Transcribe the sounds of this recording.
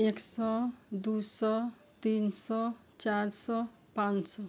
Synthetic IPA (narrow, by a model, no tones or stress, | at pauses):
eksɔd̪usɔ | t̪insɔ | t͡ʃaɾsɔ | pãnsɔ